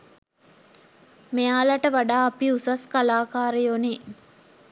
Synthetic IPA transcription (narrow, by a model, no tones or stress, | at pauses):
meaːlaʈəʋaɖaːpiusaskalaːkaːɾejoni